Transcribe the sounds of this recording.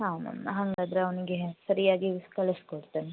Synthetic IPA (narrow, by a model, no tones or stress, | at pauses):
hanɐ̰nɦɐŋɡad̪ɾeɐʋɐniɡesɐɾijaːɡikɐɭɐskoɽt̪ani